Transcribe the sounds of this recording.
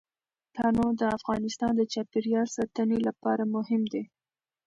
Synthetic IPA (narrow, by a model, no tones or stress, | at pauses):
t̪ɑnod̪əafɣɑnɪst̪ɑnd̪ət͡ʃɑpeɾjɑlsɑt̪ənelapɑɾamʊhɪmd̪e